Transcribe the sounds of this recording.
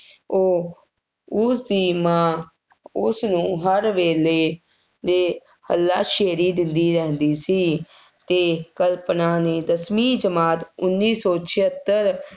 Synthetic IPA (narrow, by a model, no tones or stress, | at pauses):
oː | ʊsd̪iːmãː | ʊsnũːɦəɾʋeːleː | d̪eː | həlːaːʃeːɾiːd̪ɪnd̪iːɾɛɦnd̪iːsiː | t̪eːkəlpnaːneːd̪əsmiːd͡ʒəmaːt̪ʊnːiːsɔːt͡ʃʰɪɦət̪ːəɾ